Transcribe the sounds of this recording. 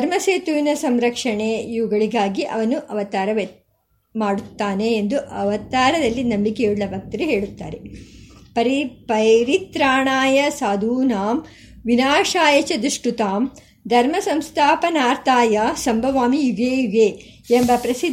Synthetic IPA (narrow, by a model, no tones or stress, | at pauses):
ɐɾmɐseːt̪uʋinɐsɐmɾɐkʂɐɳejuːɡɐɭiɡaːɡiʔɐ̰ʋɐnuʔɐʋɐt̪aːɾɐʋe | maːɽut̪ːaːneːnd̪uʔɐʋɐt̪aːɾɐd̪ɐlːinɐmbikejuɽlɐbʱɐk̚t̪ɐɾeɦe̞ːɭut̪ːa̰ːɾe̞pɐɾipɐjɾit̪ɾaːɳaːjɐsaːd̪ʱuːnaːm | ʋinaːʂaːjɐt͡ʃɐd̪uʂʈut̪aːm | d̪ʱɐɾmɐsɐmst̪ʰaːpɐnaːɾt̪ʰaːjɐsɐmbʱɐʋaːmiiʋeːiʋeː | embɐpɾɐsi